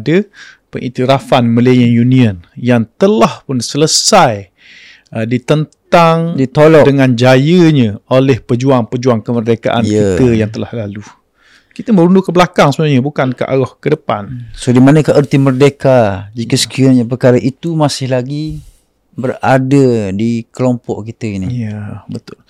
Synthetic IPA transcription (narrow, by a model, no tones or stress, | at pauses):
də | pəŋʔḭt̪iɾafanməlejənjuniənjaŋt̪əlahpʊnsələsaj | ədit̪ənt̪aŋdit̪olɔdəŋand͡ʒajəɲəolɛhpəd͡ʒuaŋpəd͡ʒuaŋkəmərdeka̰ʔa̰nkit̪əjaŋt̪əlahlalu | kit̪əmə̃ɾundʊkəbəlakaŋsəmaaɲəbukanka̰ʔa̰ɾɔhkədəpansodimanəkaʔərt̪imərdekad͡ʒikəsə̥kiaɲəpərkaɾəʔit̪umasɪhlaɡi | bəradədikəlompɔ̰ʔkit̪əinijəbət̪ʊl